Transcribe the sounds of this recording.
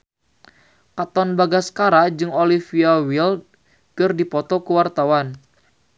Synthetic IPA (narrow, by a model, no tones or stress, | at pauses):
kat̪ɔnbaɡaskaɾad͡ʒɨŋolifiawild̚ | kɨrdipɔt̪ɔkəwart̪awan